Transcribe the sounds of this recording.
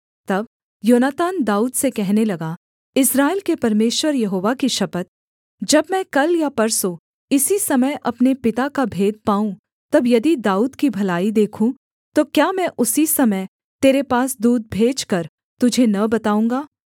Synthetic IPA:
t̪ɐb̚ | joːnaːt̪aːnd̪aːuːd̪sekɛɦnelɐɡa | ɪsɾaːelkepɐɾmeːʃwəɾjɐɦoːʋakiʃɐpət̪̚ | d͡ʒɐbmɛ̃kɐljapɐɾso | ɪsisɐməjʔɐpnepɪt̪akabʱeːd̪̚paːũ | t̪ɐbjɐd̪id̪aːuːd̪kibʱɐlaːid̪eːkʰũ | t̪okjaːmɛ̃ʔʊsisɐməj | t̪eːɾepaːsd̪uːd̪̚bʱeːd͡ʒkɐɾ | t̪ʊd͡ʒʱenɐbɐt̪aːũːŋɡaː

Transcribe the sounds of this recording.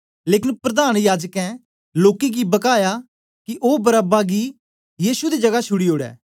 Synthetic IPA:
leːkɪnpɾɐd̪aːnjaːd͡ʒəkɛ̃ | loːkeɡibɐkaːja | kiʔoːbɐɾaːbaɡi | jiːsud̪id͡ʒɐɡat͡ʃʰʊɽioːɽɛ̰ː

